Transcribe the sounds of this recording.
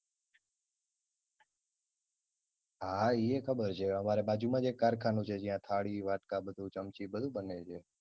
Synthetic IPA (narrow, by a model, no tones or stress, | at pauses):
ɦaiekʰəbəɾt͡ʃʰeəmaɾebad͡ʒumãd͡ʒekaɾkʰanũt͡ʃʰed͡ʒijãt̪ʰaɭiʋaʈkabəd̪ʱut͡ʃəmt͡ʃibəd̪ʱũbənet͡ʃʰe